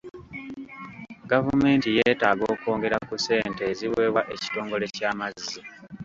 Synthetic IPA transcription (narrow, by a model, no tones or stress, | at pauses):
ɡavume̞ːntijeːtaːɡo̞ːko̞ːŋɡe̞ɾakuse̞ːnte̞ːziwe̞ːβwaʔe̞ci̥to̞ːŋɡo̞le̞caːmazi